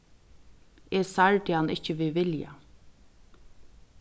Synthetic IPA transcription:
ɛsaɹʈɪanɪ̰hcəʋɪʋɪlja̰

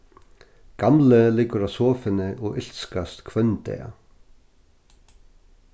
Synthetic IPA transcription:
kamlɪlɪkʏɾaðsɔːfɪnɪʔɔɣɪl̥skast̪kʰvœnt̪ɛ̰ːja̰

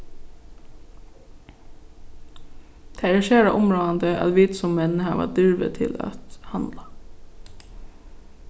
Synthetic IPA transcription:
t̪ʰeːɾɪʃeːɾɑ̰ʔʊmɹoːɑnd̪əʔɑ̰lʋiːt̪sʊmmɛnhɑːʋɑ̰ːd̪ʏɹʋə̰t̪ʰɪlɑ̰t̪hɑnd̪lɑ

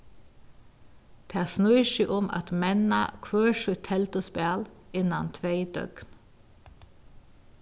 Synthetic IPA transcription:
t̪ʰæːsnɔʏʃɪʔʊmʔɑ̰t̪mɛna̰kʰʋøːʃʉt̪ʰɛlt̪ʊspæːlɪnant̪ʰʋeɪd̪œ̰ɡ̥n

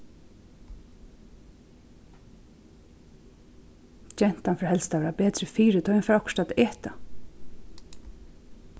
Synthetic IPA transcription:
d͡ʒɛn̥t̪anfœɾhɛlst̪aeːɾapɛːt̪ɾɪfiːɾɪt̪ʰɔɪnfɾɔkʃt̪at̪ɛːt̪a

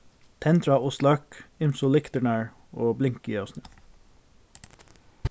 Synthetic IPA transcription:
t̪ʰɛnt̪ɾɑɔslɑkɪmsʊlɪkt̪əɳæːɹ | oːblɪŋkəjɑsnʉː

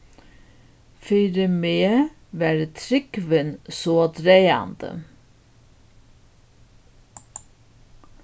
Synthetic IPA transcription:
fyːɾəmeː | ʋæːɾt̪ʰɾɪkʋənsoːd̪ɾeɪɑ̰nd̪̥ə̰

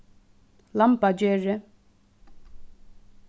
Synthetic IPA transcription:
lampad͡ʑøːʔreʔ

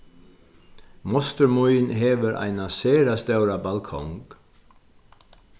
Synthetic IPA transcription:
mɔst̪əɾmujnɦɛːʋəɾʔa̰jnaseːɾast̪œwɾabalkʰɔ̰ŋk

